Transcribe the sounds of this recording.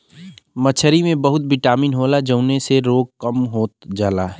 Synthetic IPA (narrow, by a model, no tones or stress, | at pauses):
mət͡ʃʰəɾimẽbəɦʊt̪̚bɪʈaːmiːnɦoːlad͡ʒəʊneseɾoːɡ̚kəmɦoːt̪̚d͡ʒaːlaː